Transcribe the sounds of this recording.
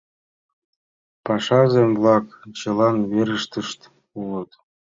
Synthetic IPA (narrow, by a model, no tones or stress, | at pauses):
pɑʃɑzemvlˠɑkt͡ɕɤ̆lˠɑnβeɾəʃt̪əʃt̪ | ulɤ̆t̪